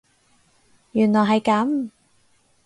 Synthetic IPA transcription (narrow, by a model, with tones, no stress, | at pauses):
jyː˨˩nlɔː˨˩ɦɐ˨jkɐ˨˥m